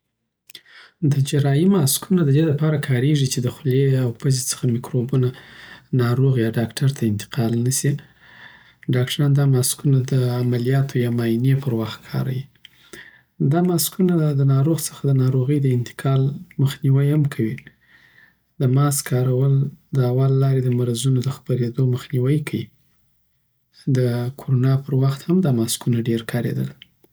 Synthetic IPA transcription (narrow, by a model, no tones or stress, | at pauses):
d̪əd͡ʒaɾɑjimɑskʰunad̪əd̪elapɑɾakʰɑɾeʐit͡ʃed̪əxleawpəzet͡sə̥xamikɾobunanɑɾoɣjɑɖɑkʈaɾt̪ʰaɪnt̪ɪ̥qʰɑlnasi | ɖɑk̚ʈaɾɑnd̪ɑmɑskunad̪əamalijɑt̪ʰojɑmɑinjepəɾwaxt̪kʰɑ̰ɾa̰wi | d̪ɑmɑskunad̪ənɑɾoɣsə̥xad̪ənɑɾoɣəjd̪əɪnt̪ɪ̥qʰɑlməxniwəjhamkʰawi | d̪əmɑskʰɑɾawəld̪əawɑlːɑɾed̪əmaɾazunod̪əxpaɾed̪oməxniwəjkʰaji | d̪əkʰoɾonɑpəɾwaxt̪hamd̪ɑmɑskunaɖeɾkʰɑɾḛd̪ə̰l